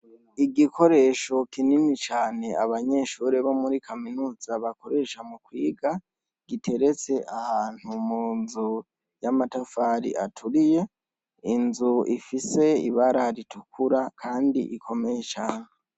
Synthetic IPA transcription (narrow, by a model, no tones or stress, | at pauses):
iɡikʰo̞ɾe̞ʃo̞kininit͡ʃaːne̞aβaɲe̞ːʃuɾeβo̞muɾikʰaminuːz̥aβako̞ɾe̞ʃamukwiːɡa | ɡ̥itʰe̞ɾe̞t͡se̞ʔahaːn̥humuːnzu | jamatafaɾḭʔa̰tʰuɾije̞ | inzuifise̞ḭβaɾaɾitʰukuɾakʰaːndḭʔikʰo̞me̞jet͡ʃaːne